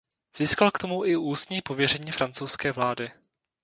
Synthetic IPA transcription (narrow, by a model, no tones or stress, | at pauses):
z̥iːskalkt̪o̞muʔɪʔuːst̪ɲiːpo̞vjɛr̝ɛɲiːfɾant͡sowskɛːvlaːdɪ